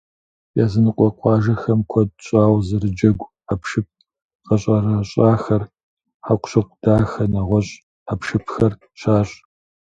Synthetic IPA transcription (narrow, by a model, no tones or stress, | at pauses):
jaːzɨnɨqʷʼɔqʷʼɑːʒɐxɐmkʷʰɔd̚ɕʼaːwzɨrɨd͡ʒɐɡʷ | apʃɨp̚ | qɐɕʼɐrɐɕʼaːxɐr | ħaqʷɕɐk̚ʷʰʼd̥aːxɐnɐʁʷɔɕʼ | apʰʃɨpʰxɐr | ɕaːɕʼ